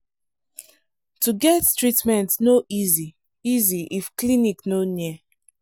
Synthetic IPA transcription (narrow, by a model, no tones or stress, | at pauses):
tuɡɛttɹitmɛ̃ntnoʔizi | iziʔifkliniknoniɛ